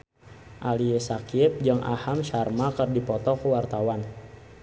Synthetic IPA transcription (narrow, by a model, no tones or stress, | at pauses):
ʔaliesakiɪp̚d͡ʒaŋʔa̰hamʃarmakərdipɔt̪ɔkəwart̪awan